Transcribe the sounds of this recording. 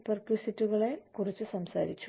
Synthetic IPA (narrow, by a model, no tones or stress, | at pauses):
pɐrklisitːuɣɐɭe̞kurit͡ɕːusɐmsa̰ːɾit͡ɕːu